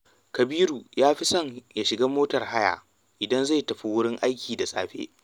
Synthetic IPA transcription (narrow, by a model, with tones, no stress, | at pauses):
kɐ˨biː˦ɾuː˨jaː˦ɸi˦sɐ˦˨ŋja˨ʃɪ˨ɡaː˦moː˦tɐ˨rha˦ja̰ː˨ | ʔɪ˨dɐ˦nza˦˨jtɐ˨ɸi˨wʊ˦ɽɪ˦ŋʔa˦jkʲiː˨da˨sʼa̰ː˨ɸḛ˦ʔ